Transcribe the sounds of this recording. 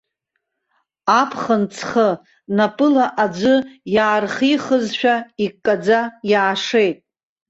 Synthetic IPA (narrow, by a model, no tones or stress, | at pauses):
apʰχənt͡sʰχə | napʼɨlaʔad͡ʒʷɨjaːrχiχəzʃᶣaikʼːad͡zajaːʂe̞jtʼ